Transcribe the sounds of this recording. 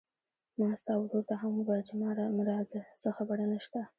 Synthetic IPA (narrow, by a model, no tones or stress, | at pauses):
mɑst̪ɑwd̪oɾt̪aɦambad͡ʒamɑɾamɾɑzsəxabaɽanaʃt̪a